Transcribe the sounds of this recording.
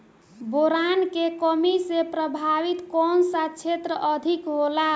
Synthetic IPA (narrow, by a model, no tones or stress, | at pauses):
boɾankekəmisepɾəbʱaʋit̪kɔnsat͡ʃʰet̪ɾəʔəd̪ʱikɦola